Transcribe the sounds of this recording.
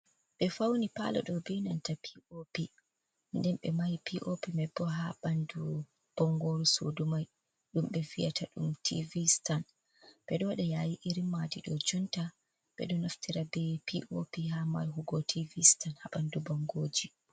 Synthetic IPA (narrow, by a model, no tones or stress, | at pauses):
ɓɛfawnipa̰lɔ̰ɗɔbinantapi̥ʔopi | ndɛnɓɛmajpiʔopimɛbːɔɦaɓandu | b̥ɔŋɡoɾusodumaj | ɗumɓɛvijatʰaɗumtʰḭvistan | ɓ̥ɛɗɔwɗɛjajiʔiɾimadiɗɔd͡ʒunta | ɓ̥ɛ̰ɗɔnaftʰiɾabɛpiʔopiɦama̰jɦuɡɔtʰivistanhaɓandubɔŋɡoːd͡ʒi